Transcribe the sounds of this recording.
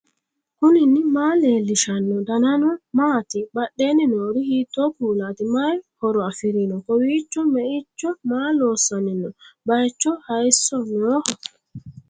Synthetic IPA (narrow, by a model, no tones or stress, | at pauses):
hʊnɪnːɪmaːleːlːɪʃɐnːɔd̪ɐnɐnɔmaːt̪ɪbɐɗːenːɪnoːɾihiːt̪ːɔpuːlaːt̪ɪmɐjhɔɾɔɐfɪɾinɔkɔwiːt͡ʃːɔmɛʔɪt͡ʃːɔmaːloːsːɐnːɪnɔbɐjt͡ʃːɔhɐjsɔnoːhɔ